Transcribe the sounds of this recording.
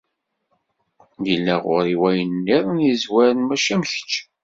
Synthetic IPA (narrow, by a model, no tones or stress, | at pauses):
jəlːæʁʊɾiwæjənːiðˤnizwæɾənmæʃæmçə̥t͡ʃː